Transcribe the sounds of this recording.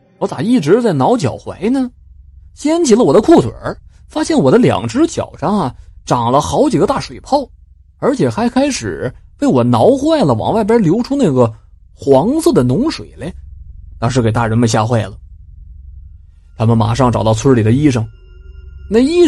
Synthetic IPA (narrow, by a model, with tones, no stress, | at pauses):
wɔ˧˥t͡sa˨˩i˥˩ʈ͡ʂɻ̩˧˥t͡sa˥˩ɪnɑ˧˥ʊt͡ɕjɑ̰˨˩ʊxwe˧˥ɪnə˨ | ɕjɛ˥nt͡ɕʰi˧˩lə˧wɔ˨˩d̪ə˦kʰu˥˩t̪ʰwə̰˨˩˦ | fa˥ɕjɛ˥˩nwɔ˨˩d̪ə˦ljɑ̰˨˩ŋʈ͡ʂɻ̩˥t͡ɕjɑ̰˨˩ʊʂɑ˥ŋɐ˨ʈ͡ʂɑ˨˩ŋlə˦xɑ˧˥ʊt͡ɕi˨˩ɡə˦t̪a˥˩ʂwe˨˩ɪpʰɑ˥˩ʊ | ə˞˧˥t͡ɕʰjɛ˨˩xa˧˥ɪkʰa˥ɪʂɻ̩˨˩pe˥˩ɪwɔ˨˩nɑ˧˥ʊxwa˥˩ɪlə˩wɑ̰˨˩ŋwa˥˩ɪp̬jə˥ljo˧˥ʊʈ͡ʂʰu˥na˥˩ɡə˩ | xwɑ˧˥ŋsɤ˥˩d̪ə˩nʊ˧˥ŋʂwḛ˨˩ɪle˧˥ɪt̪ɑ˥ŋʂ̬ɻ̩˧˥ke˨˩t̪a˥˩ɻə˧˥nmə˧nɕ̬ja̰˥˧xwe˥˩ɪlə˩ | t̪ʰa˥mə˨nma̰˨˩ʂɑ˥˩ŋʈ͡ʂɑ˨˩ʊt̪ɑ˥˧ʊt͡sʰwə˥li˨˩d̪ə˦i˥ʂɤ˧˩ŋ | na˥˩i˥